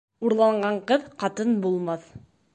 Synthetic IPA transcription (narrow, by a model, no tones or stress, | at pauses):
uɾlˠɑɴɢɑɴqɤðqɑt̪ɤnbulˠmɑθ